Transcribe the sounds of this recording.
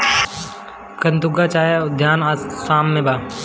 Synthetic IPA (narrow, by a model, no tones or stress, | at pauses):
kɐnt̪ʊɡat͡ʃaːjad̪ʱjaːnaːsaːmːẽbaː